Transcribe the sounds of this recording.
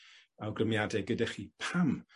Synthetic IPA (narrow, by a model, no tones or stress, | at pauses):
awɡrəmjadɛɡədɛχipʰam